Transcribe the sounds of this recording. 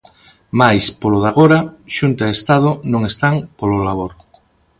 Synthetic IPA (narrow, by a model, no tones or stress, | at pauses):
majspoloðaɣoɾaʃunt̪aðest̪aðʊnõŋest̪aŋpololaβoɾ